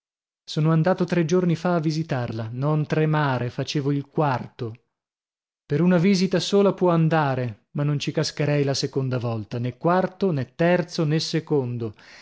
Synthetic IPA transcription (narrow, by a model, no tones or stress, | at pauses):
soːnoand̪aːt̪ot̪ɾed͡ʒornifaːvːizit̪arlanont̪ɾemaːɾefat͡ʃeːvoilkwart̪o | peɾunaviːzit̪asoːlapwɔand̪aːɾe | manːont͡ʃikaskeɾɛjlasekond̪avɔlt̪anekːwart̪onɛt̪ːɛrt̪sonesekond̪o